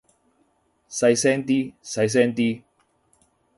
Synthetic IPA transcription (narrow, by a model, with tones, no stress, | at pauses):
sɐ˧jsɛː˥nt̪̬iː˥sɐ˧js̬ɛ˥nt̪iː˥